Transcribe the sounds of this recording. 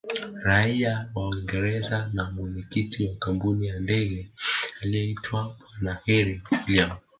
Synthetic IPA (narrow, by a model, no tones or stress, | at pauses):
ɾaiawaiŋɡɛɾɛzanamwɛɲɛkitiwakampunijandɛɣɛaliɔitʰwaɓwanahɛɾiliam